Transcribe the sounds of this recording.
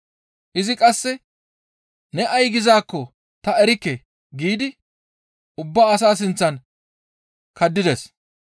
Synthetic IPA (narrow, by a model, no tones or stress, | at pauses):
ʔɪzɪkʼɐsːɛ | nɛʔɐjɡɪzaːkːɔ | t̪ɐɛɾɪkːɛ | ɡiːd̪ɪ | ʔʊbːaːɐsaːs̬ɪnt͡sːɐn | kɐd̪ːɪd̪ɛs